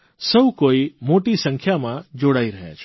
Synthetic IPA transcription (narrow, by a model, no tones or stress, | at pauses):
səbukoːimoːʈisə̃ŋkʰjamãd͡ʒoɽaːiɾəɦa̰t͡ʃʰ